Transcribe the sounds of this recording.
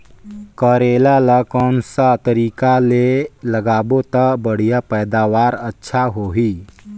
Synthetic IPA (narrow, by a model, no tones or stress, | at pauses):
kəːɾeːlalakɔːnsat̪əɾiːkaleləɡaːbot̪əbəɽ̤ijapɛːd̪aːʋaːɾətːʃʰaɦoɦiː